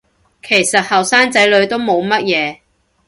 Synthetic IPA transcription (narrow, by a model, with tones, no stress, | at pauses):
kʰe˨˩jsɐ˨t̚hɐ˨˩wsaː˥ŋt͡sɐ˨˥jlɵ˨˧ɥt̪o˥wmo˨˧wmɐ˥t̚jɛː˨˧